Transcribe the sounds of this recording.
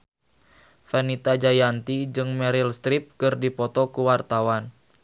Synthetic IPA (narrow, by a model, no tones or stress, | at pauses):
fɛnit̪ad͡ʒajant̪id͡ʒɨŋmɛɾilst̪ɾip̚kɨrdipɔt̪ɔkuwart̪awan